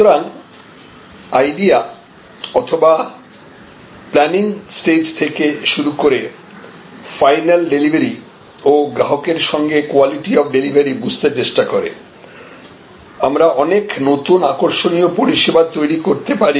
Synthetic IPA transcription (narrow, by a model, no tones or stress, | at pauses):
oɾan | ajɖia | ɔt̪ʰoba | plɛniŋsʈed͡ʑt̪ʰekeʃuɾukoɾe | fajnalɖelibʱaɾi | oɡɾaɦokeɾʃɔŋɡekoaliʈiɔfɖelibʱaɾibud͡ʑʱt̪et͡ɕeʃʈakoɾḛ | amɾaʔɔneknot̪unakoɾʃonijopoɾiʃebat̪ːojɾikoɾt̪epaɾi